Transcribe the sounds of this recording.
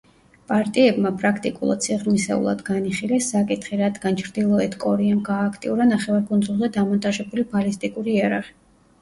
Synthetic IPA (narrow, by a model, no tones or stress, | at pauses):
pʼaɾt̪ʼiɛbmapʼɾakʰt̪ʼikʼṵlˠa̰d̪̥̚sʰiʁɾmisɛ̰ṵlˠa̰d̪ɡaniχilɛsːakʼit̪ʰχiɾad̪ɡant͡ʃʰɾd̪ilˠɔɛt̪kʼɔɾiamɡaːkʰt̪ʼḭuɾanaχɛvaɾɡʼund̪zulˠzɛd̪amɔnt̪ʼaʒɛbulibalist̪ʼikʼuɾiiaɾaʁi